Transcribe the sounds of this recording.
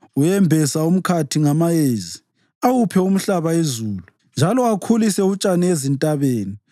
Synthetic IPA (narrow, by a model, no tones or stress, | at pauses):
ujɛmbʱɛsaum̩kʰatʰiŋamajeːzi | awupʰɛum̩ɬaβaezuːlu | nd͡ʒʱalɔakʰulisɛut͡ʃʼanɛezintʼaβeːni